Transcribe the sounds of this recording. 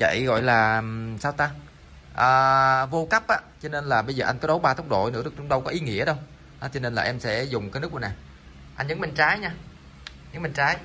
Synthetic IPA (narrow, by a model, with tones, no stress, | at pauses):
t͡ɕa̰˧˨jɣɔ̰˧˨jlaː˨˩saː˧wt̪a˧ŋ | ʔəː˨˩vo˧ka˦˥p̚ʔaː˧˦t͡ɕɔ˧ne˧nlaː˨˩ɓə˧jzəː˨˩ʔa˧jŋkɔ˨˦ɗo˨˦wɓaː˧t̪ʰə˦˥wk͡p̚ɗo̰˧˨jnɨ̰˧˥əɗk̚t͡ɕʊ˨˦ŋ͡m̚ɗə˧wkɔ˨˦ʔi˨˦ŋḭ˧˥əɗə˧w | ht͡ɕɔ˧ne˧nlaː˨˩ʔɛ˧msɛ̰˧˥zʊ˨˩ŋ͡mkaː˨˦nɨ˦˥kːnaː˨˩j | ʔa˧nɲə˨˦ŋmi˨˩ŋ̟t͡ɕaː˨˦jɲaː˧ | ɲə˧˦ŋmï˨˩ŋ̟t͡ɕaː˨˦j